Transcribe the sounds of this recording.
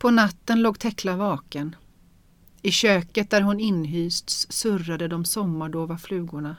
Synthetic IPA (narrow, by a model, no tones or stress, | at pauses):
pʰɔnat̪ːənloːɡ̚t̪ʰɛkʰlavɑːkən | ɪɕøːkət̪̚d̪æɾɦʊnɪnːɦyːst̪ssɵrːad̪əd̪ɔmsɔmːaɖoːvaflʉ̟ːɡʊɳa